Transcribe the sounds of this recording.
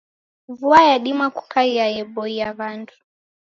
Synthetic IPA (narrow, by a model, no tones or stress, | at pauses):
vuajaɗimaku̥kaiajɛbɔiaβandu